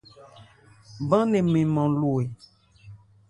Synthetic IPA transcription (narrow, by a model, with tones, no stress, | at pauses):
bã˦nẽ˨mẽ˨mɔ̃˨lu˨e˨